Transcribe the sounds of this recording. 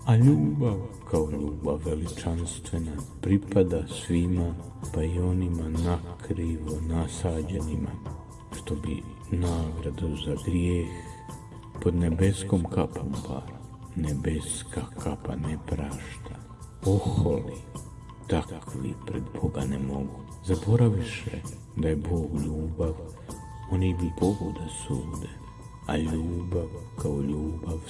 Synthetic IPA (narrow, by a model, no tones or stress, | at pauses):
aʎuːbaʋkʰaoʎuːbaːe̞lit͡ʃanst̪ʋe̞napɾipad̪asʋima | paio̞nimanakɾiʋonasaːd͡ʑenima̰ | ʃt̪o̞bḭ | naːɡɾad̪uzaɡɾjeːx | po̞d̪ne̞be̞sko̞mkapʰo̞̰mpa̰ | nebe̞skakʰapa̰nepɾaːʃt̪a | oxoli | t̪akʰʋḭpɾed̪boɡanemo̞ɡu | zabo̞ɾaʋiʃḛ | d̪ajebo̞ːɡʎuːbaʋ | onibiboɡud̪asuːd̪e | a̰ʎuːbaʋkaoʎuːbaʋ